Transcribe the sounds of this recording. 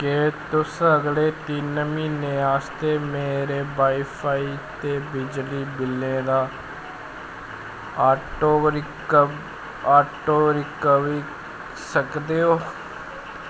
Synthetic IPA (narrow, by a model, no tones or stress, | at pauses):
keːt̪ʊsəɡleːt̪iːnəmĩːnẽːaːst̪eːmeːɾeːbaːipʰaːiːt̪eːbɪd͡ʒliːbɪlːẽːd̪aː | aːʈoːɾɪ | b | aːʈoːɾɪkəʋiː | səkd̪eːoː